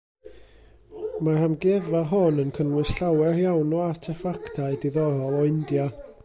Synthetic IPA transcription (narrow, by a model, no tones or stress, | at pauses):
mahamɡɪðvaɦɔnənkʰənwɨsɬawɛrjawnɔatʰəfaktʰaɨdiðɔɾɔlˠɔɪndja